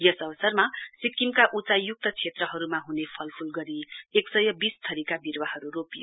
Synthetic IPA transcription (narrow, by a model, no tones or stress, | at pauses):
jʌsʌbʌsʌrmasikːimkaʔut͡sajuk̚t̪ʌt͡sʰet̪rʌɦʌɾumaɦunepʰʌlpʰulɡʌɾieksʌjʌbist̪ʰʌɾikabirwaɦʌɾuropijo